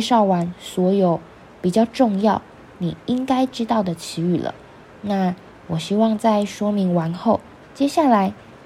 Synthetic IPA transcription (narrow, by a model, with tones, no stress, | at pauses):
ʂɑ˥˩ʊwa˧˥nswɔ˧˥jo˨˩ʊ | pi˨˩t͡ɕjɑ˥˧ʊʈ͡ʂʊ˥˧ŋjɑ˥˩ʊ | ni˨˩i˥ŋka˥ɪʈ͡ʂɻ̩˥t̪ɑ˥˩ʊd̪ə˩t͡ɕʰi˧˥y˥˩lə̰˩ | na˥˩ | wɔ˨˩ɕi˥wɑ˥˧ŋt͡sa˥˩ɪʂwɔ˥mi˧˥ŋwa˧˥nxo˥˩ʊ | t͡ɕjɛ˥ɕja˥˩la˧˥ɪ